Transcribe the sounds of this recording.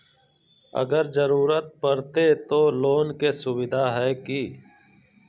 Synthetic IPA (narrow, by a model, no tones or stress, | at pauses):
ə̰ɡəɾzəɾuːɾət̪̚pəɾt̪et̪oloːnkesʊbɪd̪ʱaɦɛːkiː